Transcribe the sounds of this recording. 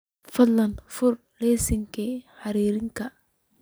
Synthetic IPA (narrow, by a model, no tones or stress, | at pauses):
fɐdlːɐnfʊr | lɛːsɪŋkʰiħɑɾiːɾɪŋkʰɐ